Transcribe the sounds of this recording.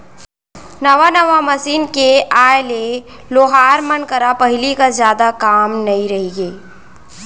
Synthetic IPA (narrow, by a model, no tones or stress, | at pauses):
nɐʋanɐʋamɐsiːnkeaːjle | loːɦaːɾmənkɐɾapɐɦɪlikazjaːd̪akaːmnɐĩɾɐɦiɡeː